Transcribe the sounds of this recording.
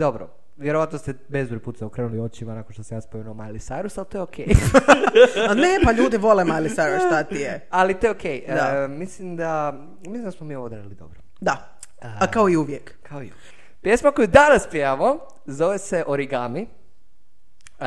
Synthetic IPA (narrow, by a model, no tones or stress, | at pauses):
d̪o̞bɾo̰ | ʋjeɾoʋat̪nost̪ebezbɾoput̪sɛokɾeːnuliot͡ʃimanakonʃt̪osamjaspomenuomajlisajɾusalt̪ojeokʰej | nepaʎuːd̪iʋo̞lemajlisajɾusʃt̪at̪iealit̪ojeokejd̪amislimd̪a | mislimd̪asmomiːoʋod̪ɾedilid̪o̞̰bɾo | d̪a | akaoiuʋjekkʰaoḭṵ | kpjesmako̞jud̪anaspiamo | zoʋeseʔoɾiɡami